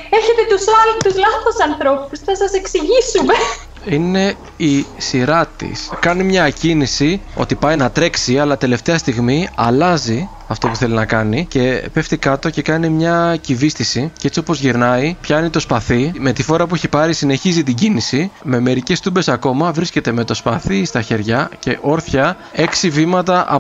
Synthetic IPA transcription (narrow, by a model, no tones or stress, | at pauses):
eçe̞t̪e̞t̪usɐlt̪uzlɐθosɐnθɾopusθɐsɐse̞ksiʝisume̞ | ine̞ | isiɾɐt̪ḭskɐnimɲɐcinisio̞̰t̪ipɐjnɐt̪ɾe̞ksiɐlɐt̪e̞le̞ft̪e̞ɐst̪iɣmiɐlɐzi | ɐft̪o̞puθe̞linɐkɐnice̞pe̞ft̪ikɐt̪o̞ce̞kɐnimɲɐcivist̪isiceet͡sio̞po̞zʝiɾnɐipçɐinit̪o̞spɐθime̞t̪ifo̞ɾɐpueçipɐɾisine̞çizit̪iɟinisime̞me̞ɾice̞st̪ube̞sɐko̞mɐvɾisce̞t̪e̞me̞t̪o̞spɐθist̪ɐçe̞ɾʝɐce̞ʔo̞ɾθçɐ | e̞ksivimɐt̪ɐʔɐ